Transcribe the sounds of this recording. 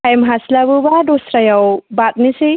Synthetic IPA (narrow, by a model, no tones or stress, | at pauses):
ajmɦaslaβɯbadosɾajawbat̪̚nise